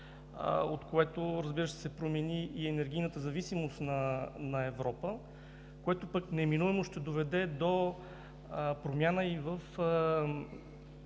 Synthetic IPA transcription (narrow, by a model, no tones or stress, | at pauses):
ot̪koɛt̪oɾɐzbiɾəʃt̪ɛ̥sɛpɾomɛniːɛnɛɾɡ̟ijnət̪əzɐvisimost̪nɐnɐɛvɾɔpə | koɛt̪opəknɛminuɛmoʃt̪ɛd̪ovɛd̪ɛd̪o | pɾomʲjanəivəfə